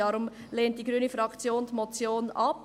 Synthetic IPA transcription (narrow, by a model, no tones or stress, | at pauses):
ɑɾʊm | leːnt̚d̥iːɡɾyːnəfɾɑkt͡sjoːndmot͡sjoːnʔɑp